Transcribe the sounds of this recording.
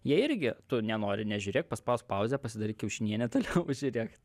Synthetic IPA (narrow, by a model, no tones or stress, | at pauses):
jiɛɪɾʲɡʲɪt̪ʊnʲɛnoːɾʲɪnʲɛʒʲʊɾʲeːk̚pɐspɐʊspɐˑʊzʲɛpɐsʲɪd̪ɐɾiːkʲɪʊʃʲɪnʲiɛnʲɛt̪oːlʲɛʊʒʲʊɾʲeːk